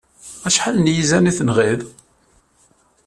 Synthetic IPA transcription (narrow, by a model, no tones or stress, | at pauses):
æʃħalnjizæniθənʁið